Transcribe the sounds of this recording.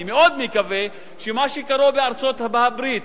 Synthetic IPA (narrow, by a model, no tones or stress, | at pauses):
meod̪mekave | ʃemaʃekaɾobeaɾt͡so̞t̪habaabɾit̪